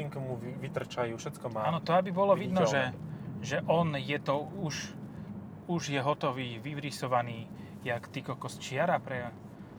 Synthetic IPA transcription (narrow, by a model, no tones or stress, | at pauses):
iŋkumuʋit̪r̩t͡ʃajuːʃɛt͡skɔmaaːnɔt̪ɔabibɔlɔʋid̪nɔʒɛʒɛʔɔnjɛt̪ɔuʃ | uʒjɛɦɔt̪ɔʋiːʋiʋɾisɔʋaniː | jakt̪ikɔkɔst͡ʃɪaɾapɾɛa